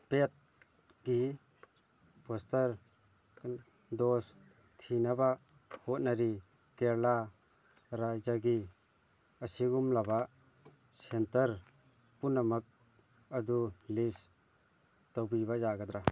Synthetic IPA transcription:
pet̚ | ɡi | pɔstɐɾ | dɔs | tʰinaba | hot̚naɾi | keɾla | ɾajzaɡi | ɐsiɡumlaba | sentɐɾ | punːamak̚ | ɐdulis | tɔwbibazaɡad̪ɾa

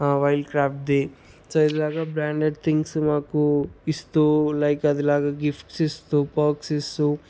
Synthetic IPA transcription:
ʋɐjlɖkɾaːpʈ̚d̪eː | soːid̪ilaːɡaːbɾaːɳɖeɖt̪ʰiŋɡsmaːkuist̪uːlɐjkɐd̪ilaːɡaːɡipʈsist̪uːpaːksist̪u

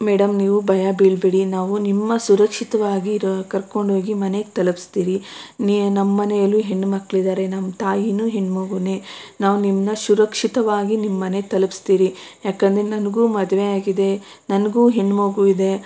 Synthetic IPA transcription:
meːɽɐmniːʋubʱɐjabiːɭbeɽinaːʋunimːɐsuɾɐkʂit̪ɐʋaːɡikɐɾko̞ɳɖʱɦo̞ːɡimɐneɡt̪ɐlpi̥st̪iːɾinnɐmːɐnɛjɐlːuɦeɳːmɐkːɭid̪aːɾe̞nɐmːɐt̪aːjinuːɦeɳːmoːɡuneːnaːʋunimnɐsuɾɐkʂit̪ɐʋaːɡinimːɐne̞ɡ̚t̪ɐlɐpi̥st̪iːɾijaːkɐnd̪ɾenɐnɐɡuːmɐd̪ʋeaːɡid̪e̞ | nɐnɐɡuːɦeɳːmoːɡuʋid̪e̞

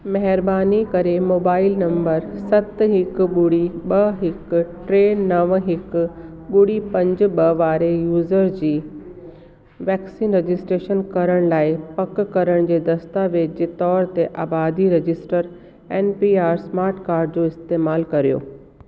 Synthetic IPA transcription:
mɐɦɪɾbaːnikɐɾemoːbaːɪlnɐ̃mbəɾsɐt̪ɦɪkɓʊɽiɓɐɦɪkʈɾeːnɐʋɦɪk | ɓʊɽipɐ̃ɲd͡ʑʊ̆ɓɐʋaːɾejuːzəɾd͡ʑiː | ʋɛːksiːnɾed͡ʑɪsʈɾeːʃənkɐɾəɽ̃laːɪpɐkkɐɾəɽ̃d͡ʑeːd̪ɐst̪aʋed͡ʑet̪ɔːɾt̪eʔaːbaːd̪iɾed͡ʑɪsʈəɾ | eːnpiːaːɾsmaːɾʈkaːɾɖd͡ʑoɪst̪eːmaːlkɐɾijo̰ː

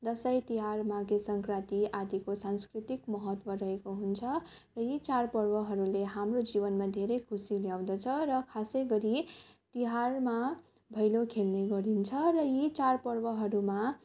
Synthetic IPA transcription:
d̪ʌsʌjt̪iɦarmaɡesʌŋkrat̪iad̪ikosanskrit̪ikmʌɦʌt̪wʌɾʌɦekoɦunt͡sʰʌ | rʌjit͡sarpʌrbʌɦʌɾuleɦamrod͡zibʌnmad̪ʱeɾʌjkʰusiljaw̃d̪ʌt͡sʰʌɾʌkʰasʌjɡʌɾit̪iɦarma | bʱʌjlokʰelneɡʌɾint͡sʰʌrʌjit͡sarpʌrbʌɦʌɾuma

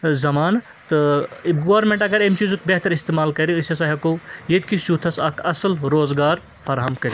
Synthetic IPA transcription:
zɐmaːn | t̪ɨibɡoːɾmẽɳʈɐɡɐɾemt͡ʃizukbeɦt̪ɐɾist̪eːmaːlkɐɾiɨsɐsɐɦɐkojed̪kisjuːt̪ʰɐsɐkʰɐsəlɾoːzɡaːɾ | fʰɐɾɦɐmkɐɾi

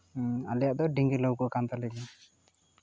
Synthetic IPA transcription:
a̰lɛjaʔd̪ɔɖiŋɡiləwkɔʔkant̪alɛɡi

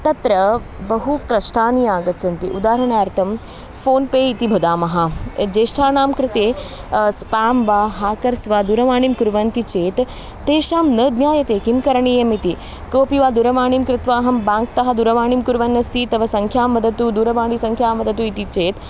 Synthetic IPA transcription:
t̪ɐt̪ɾɐ | bɐɦukɾɐʂʈʰaːniaːɡɐt̪sɐnt̪iʔud̪aːɾɐɳ̃aːɐɾt̪ʰɐm | foːnpeːit̪ibʱɐd̪aːmɐɦɐd͡ʒeːʃʈʰaːɳaːmkɾɪt̪eːspaːmʋaːɦaːkɐɾsʋaːd̪uɾɐʋaːɳimkuɾʋɐnt̪it͡ʃeːt̪ː | eːʃaːmnəːd̪njaːjɐt̪eːkimkɐɾɐɳiːjɐmit̪i | koːpiʋaːd̪uɾɐʋaːɳimkɾɪt̪ʋaːɦɐmbãːŋkt̪ɐɦɐd̪uɾɐʋaːɳimkuɾʋɐnːɐst̪iːt̪ɐʋɐsɐŋkʰjaːmʋɐd̪ʱɐt̪uːd̪uːɾɐʋaːɳiːsɐŋkʰjaːmʋɐd̪ʱɐt̪uːit̪it͡ʃeːt̪

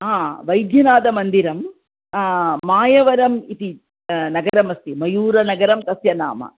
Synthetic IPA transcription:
ɦaːʋɐjd̪ʱjɐnaːd̪ɐmɐnd̪iɾɐm | aːjɐʋɐɾɐmit̪i | nɐɡɐɾɐmɐst̪imɐjuːɾɐnɐɡɐɾɐmt̪ɐsjɐna̰ːmɐ̰

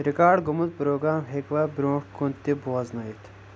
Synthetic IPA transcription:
ɾikaːɖɡumut̪̚pɾoːɡɾaːmɦekʋɐbɾõːʈkunt̪ːiboɐznɐit̪ʰ

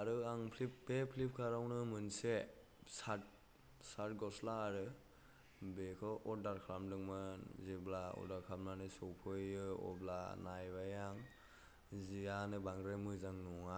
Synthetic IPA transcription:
aɾɯaŋpʰlip̚bepʰlip̚kʰaɾawnɯmɯnse | sat̚ | saɾt̚ɡɔslaːɾɯ | bekʰɔʔɔdaɾkʰɾamdɯŋmɯnziblaɔ̰daɾkʰamnanɯsɔwpʰɯjɯɔ̰blanajbajaŋ | zijanɯbaŋɡɾemɯzaŋnɔŋa

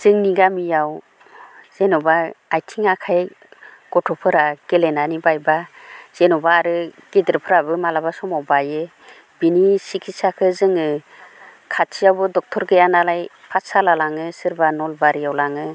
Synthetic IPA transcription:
z̥ɯŋniɡamijaw | z̥enɔbaajtʰiŋakʰaj | ɡ̥ɔtʰɔpʰɯɾaɡ̥elenanibajbaz̥enɔbaːɾɯɡ̥edɾpʰɯɾabɯmalabasɔmawbajɯ | b̥inisikʰisakʰɯzɯŋɯ | kʰat͡ʃʰijawbɯdɔk̚tʰɔɾɡɯjanalaj | pʰasalalaŋɯsɯɾbanɔlbaɾijawlaŋɯ

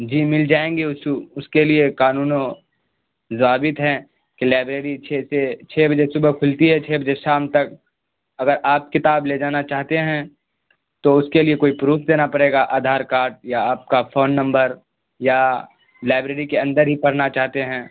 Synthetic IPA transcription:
d͡ʒiːmɪld͡ʒaːẽːŋɡeʊsʊskeliekaːnuːno | zʋaːbɪt̪ɦɛ̃ː | kilaːbɾeːɾit͡ʃʰeset͡ʃʰeːbʱɐd͡ʒesʊbəkʰʊlt̪iɦɛt͡ʃʰeːbʱɐd͡ʒeʃaːmt̪ɐk̚ | ɐɡəɾʔaːp̚kɪt̪aːbled͡ʒaːnat͡ʃaːɦt̪eɦɛ̃ | t̪oʊskeliekoːipɾuːfʰd̪eːnapɐɽeːɡaʔaːd̪ʱaːɾkaːɾʈ̚jaaːp̚kafoːnːɐ̃mbəɾ | ja | laːɪbɾeːɾikeɐ̃nd̪əɾɦipɐɽnat͡ʃaːɦt̪eɦɛ̃ː

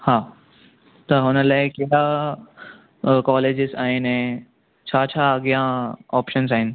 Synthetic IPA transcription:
haː | t̪ɐɦʊnəlaːɪkeɾa | kɔːleːd͡ʑɪzaːɦɪnɛ̃ː | t͡ɕʰaːt͡ɕʰaːɐɡijãɔːpʃənzaːɦɪnɪ̆

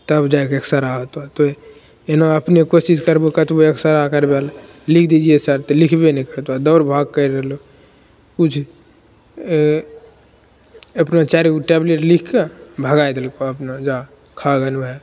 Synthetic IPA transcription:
t̪əbd͡ʒaːekeksəɾaot̪at̪o | enaəpnekosiskəɾbokət̪boeksəɾakəɾbal | likʰd̪id͡ʒiesəɾt̪lɪkʰbenĩkəɾt̪ad̪ɔʊɾbʱaːɡ̚kəɾəɦlo | kut͡ʃʰ | əpnat͡ʃaɾikʈɛbleʈlikʰkabʱəɡaːjd̪elkoəpnad͡ʒa | kʰaɡənɦɛ

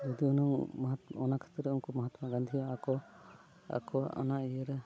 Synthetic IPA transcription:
d͡ʒɔd̪iɔnɔmɦat̪ɔnakʰḁt̪ɾɛunkɔməɦat̪maɡand̪ʱijaakɔ | a̰kʰɔa̰naijəɾɛ

